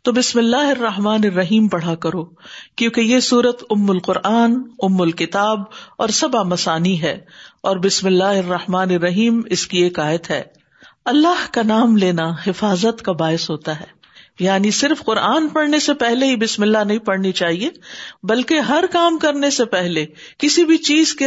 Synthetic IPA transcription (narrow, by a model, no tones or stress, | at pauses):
t̪obɪsmɪlːaːɦɪrːɐɦmaːnɪrːɐɦiːmpɐɽ̤akɐɾoːkjũːkejesuːɾət̪ʊmːʊlqʊɾʔaːnʊmːʊlkɪt̪aːbɔːɾsɐbamɐsaːniɦɛ̰ːɔːɾbɪsmɪlːaːɦɪrːɐhmaːneɾːɐɦiːmɪskieːkaːɪət̪ɦɛ̰ː | ɐlːaɦkanaːmleːnahɪfaːzət̪kabaːɪsɦoːt̪aɦɛː | jaːnisɪɾfqʊɾʔaːnpɐɽnesepɛɦleɦibɪsmɪlːaɦnɐɦĩpɐɽnit͡ʃaːɦieːbɐlkeɦɐɾkaːmkɐɾnesepɛɦlekɪsibʱit͡ʃiːzke